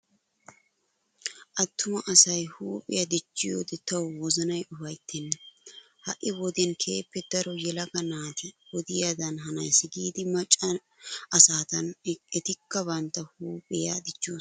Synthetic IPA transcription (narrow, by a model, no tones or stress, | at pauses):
ʔɐt̪ʰːʊmɐʔɐsɐjhuːpʼɪjɐd̪ɪt͡ʃːɪjo̰ːd̪ɛt̪ɐwwɔzɐnɐjʔʊfɐjt̪ʰːɛnː | hɐ̰ʔɪwɔd̪ɛnkʰe̞ːpːɛd̪ɐɾɔjɛlɐɡɐnaːt̪ɪwɔd̪ɪjaːd̪ɐnɦɐnɐjsɪɡiːd̪ɪmɐt͡ʃʼːɐ | ɐsaːt̪ɐnɛt̪ɪkːɐbɐnt̪ːɐhuːpʼɪjad̪ɪt͡ʃːoː